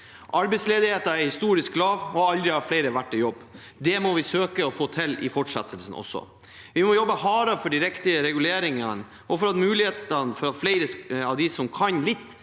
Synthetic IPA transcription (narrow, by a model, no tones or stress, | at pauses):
ʔɑɾbɛɪt̪sleːd̪ɪheːt̪əɾæhɪst̪uːɾɪsk̚lɑːʋɔɑld̪ɾɪɑʋflɛɪɾəʋæʈːɪjɔbː | d̪ɛmɔʋɪsøːkəɔfoːt̪ʰɪlɪ̰fɔʈʂɛ̰t̪ʰːəlsən̩ɔ̰sɔ̰ | ʋɪmɔjɔbːəhɑːɾəfɔɖɪɾɛkt̪ɪəɾɛɡʉleːɾɪŋən | ʔɔfɔɾɑt̪mʉːlɪheːt̪ənfɔɾɑflɛɪɾəɑʋd̪ɪsɔmkʰɑnlɪt̪ː